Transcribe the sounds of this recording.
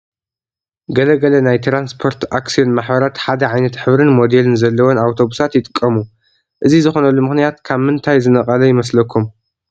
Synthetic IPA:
ɡɐlɐɡɐlɐnajt̪ʰɾanspʰo̞ɾt̪ʔaksijo̞nmaħbɐɾat̪ħad̪ɐʕajnɐt̪ħɨβɾɨnmo̞d̪e̞lɨnzɐlːɐwonawt̪ʰo̞βusat̪jɪt̪ʼɨkʼːɐmu | ʔɨzizɨxo̞nɐlːumɨxnijat̪kʰaβmɨnt̪ʰajzɨnɐqʼɐlɐjɪmɐslɐkʰːum

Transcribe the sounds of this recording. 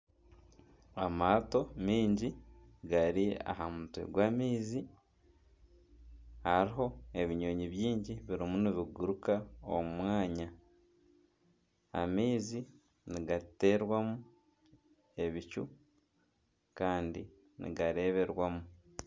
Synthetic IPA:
amaːto̞miːɲɟi | ɡaɾia̰ɦamutwḛɡwaːmiːzi | aɾiɦo̞e̞βiɲo̞ːɲiβjiːɲɟiβiɾimuniβiɡuɾukao̰mumwaːɲa | a̰miːzi | niɡate̞ɾwamu | e̞βicṵ | kaːndi | nḭɡaɾe̞ːβe̞ɾwamu

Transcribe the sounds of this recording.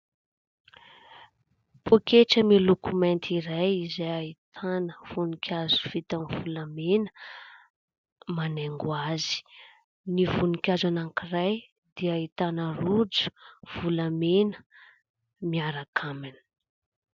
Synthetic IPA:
pokeʈ͡ʂəmilukument̪ʰiɾajizajait̪ʰanəv̥unikʲʰazu̥v̥it̪amivulamenə̥ | maneŋɡwazi̥ | nivunikʲazanaŋkiraj | d̪iait̪anərud͡zu̥v̥ulamenə | miaɾakʰamani̥

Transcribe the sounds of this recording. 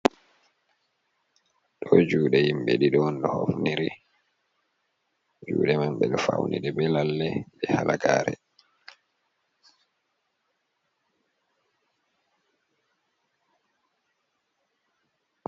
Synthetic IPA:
ɗɔd͡ʒuːɗɛjimbɛɗiɗɔnɗɔhofniɾi | d͡ʒuːɗɛmamɓɛɗɔfawnʔiɗɛbɛlalːɛɓɛhalʔaɡaːɾɛ

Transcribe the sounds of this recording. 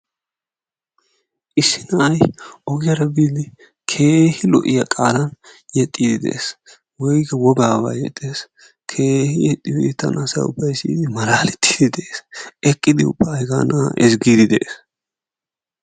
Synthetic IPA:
ʔɪsːɪnɐɐjʔɔɡɪjɐɾɐbiːd̪ɪ | kʰeːhɪlɔ̰ʔɪjɐkʼaːlɐnjɛt̪ʼːiːd̪ɪd̪ɛʔeːs | wɔjɡɐwɔɡaːβa̰ːjɛ̰t̪ʼːeːs | kʰeːhɪjɛt̪ʼːɪbit̪ːɐ̰nɐsɐ̰ʊ̰bːɐjsḭːd̪ɪmɐlaːlɛt̪ʰːi̥ːd̪ɪd̪ɛʔesɛkʼːɪd̪ɪʊ̰bːɐːjɡa̰ːnʔaʔɛsɡiːd̪ɪd̪ɛʔeːs

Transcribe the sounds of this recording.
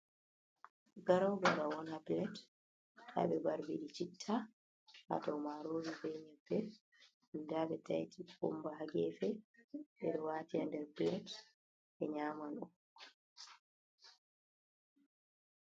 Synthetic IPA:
ɡaɾawɡaɾawɔnapilɛt | ɗa̰ɓɛbaɾbiɗit͡ʃitʰːa | a̰tawmaɾoːd͡ʒifɛɲɛbːɛ | indaɓɛtajtikṵmbaɦaɡɛfɛɓɛɗɔwaːtiandɛɾbilɛt | ʔɛɲaːmanɔ

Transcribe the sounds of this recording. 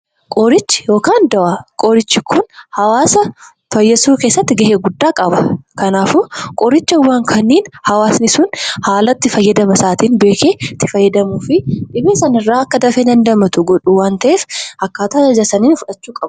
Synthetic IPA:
kʼɔɾɪt͡ʃːɪ̥jo̞ːkaːnd̪ɐʔakʼɔɾɪt͡ʃːɪkʰʊnhɐwaːsɐ | fɐjːɐsuːke̞ːsːɐt̪ːɪɡɐɦeːɡʊd̪ːaːkʼɐbɐkɐnaːfʊkʼɔɾɪt͡ʃːɐwːaːŋkʰɐnːiːnhɐwaːsnɪsʊnhaːlɐt̪ːɪfɐjːɐd̪ɐmɐsaːt̪iːnbe̞ːkʰeːt̪ːɪfɐjːɐd̪ɐmuːfɪᶑɪbiːsɐnɪrːaːɐkːɐd̪ɐfed̪ɐnd̪ɐmɐt̪ʊɡɔᶑuwaːnt̪ɐʔeːfhɐkːaːt̪aːɐd͡ʒɐsɐniːnfʊᶑɐt͡ʃːuːkʼɐbʊ̥

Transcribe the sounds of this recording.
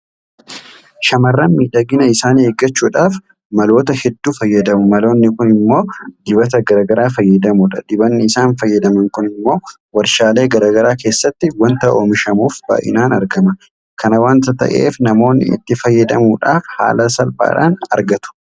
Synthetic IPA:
ʃɐmɐrːanmiːᶑɐɡɪnɐɪsaːneːɡːɐt͡ʃːuːᶑaːf | mɐlo̞ːt̪ɐhɛd̪ːuːfɐjːɐd̪ɐmʊmɐlo̞ːnːɪkʊnɪmːo̞ːd̪ɪbɐt̪ɐɡɐɾaːɡɐɾaːfɐjːɐd̪ɐmʊᶑɐ̰d̪ɪbɐnːɪɪsaːnfɐjːɐd̪ɐmɐŋkʊnɪmːo̞ː | wɐɾʃaːle̞ːɡɐɾaːɡɐɾaːkeːsːɐt̪ːɪwɐnt̪ɐʔo̞ːmɪʃɐmuːfba̰ːʔɪ̰naːnɐ̰ɾɡɐmɐ | kɐnɐwaːnt̪ɐt̪ɐ̰ʔḛːfnɐmo̞ːnːɪ̰ɪ̰t̪ːɪfɐjːɐd̪ɐmuːᶑa̰ːfha̰ːlɐsɐlba̰ːᶑa̰ːnɐ̰ɾɡɐt̪ʊ̥

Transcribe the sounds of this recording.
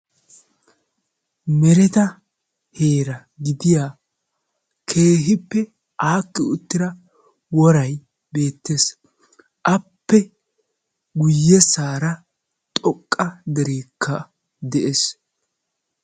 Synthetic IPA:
mɛɾɛt̪ɐ | he̞ːɾɐ | ɡɪd̪ɪjaː | kʰe̞ːɦɪpːɛ | ʔaːkːɪʊt̪ːɪɾɐ | wɔɾɐj | be̞ːt̪ːes | ʔɐpːɛ | ɡʊjːɛsaːɾɐ | t̪ʼɔkʼːɐd̪ɛɾeːkʰːɐ | d̪ɛʔes

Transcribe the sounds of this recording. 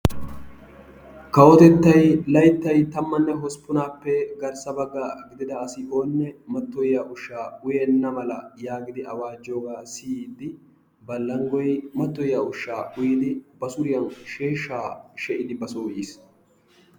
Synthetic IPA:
kɐwɔt̪ɛt̪ːɐjlɐjt̪ːɐjt̪ɐmːɐnːɛɦɔspʊnaːpːɛɡɐɾsɐbɐɡːaːɡɪd̪ɪd̪ɐːsɪʔoːnːɛmɐt̪ːɔjjaːʔʊʃːaːʊjɛnːɐmɐlɐjaːɡɪd̪ɪɐwaːd͡ʒːo̞ːɡaːsɪjiːd̪ːɪ | bɐlːɐŋɡɔjmɐt̪ːɔjjaʊʃːaːʔʊjɪd̪ɪbɐsʊɾɪjɐnʃeːʃːaːʃɛʔɪd̪ɪbɐsoːʔiːs

